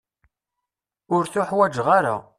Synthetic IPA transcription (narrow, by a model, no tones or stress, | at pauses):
ʊɾθʊħwæd͡ʒʁaɾa̰